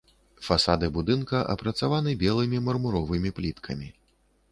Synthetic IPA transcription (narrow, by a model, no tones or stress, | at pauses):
fasad̪ɨbud̪ɨnkɐʔɐ̰pɾɐt̪savanɨbʲɛlˠɨmʲimɐrmuɾɔvɨmʲiplʲit̪kʰɐmʲi